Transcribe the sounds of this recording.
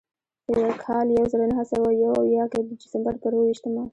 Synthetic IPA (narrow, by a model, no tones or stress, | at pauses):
d̪əjawkʰɑljawzəɾanaɦasawajawawjɑked̪əd̪ɪsəmbaɾt̪əɾowiʃt̪əma